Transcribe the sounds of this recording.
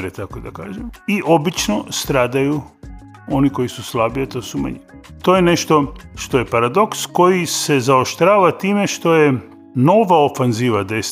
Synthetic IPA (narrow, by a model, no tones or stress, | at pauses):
ɾet̪akod̪aka̰ːʒemiʔo̞bit͡ʃnost̪ɾaːd̪aju | o̞niko̞jisuslabiat̪o̞ːsuma̰ɲiit̪oːjeneʃt̪o̞ʃt̪o̞je̞paɾad̪o̞ksko̞jise̞zaoʃt̪ɾaːʋat̪iːmeʃt̪o̞je | no̞ʋaofanziːʋad̪es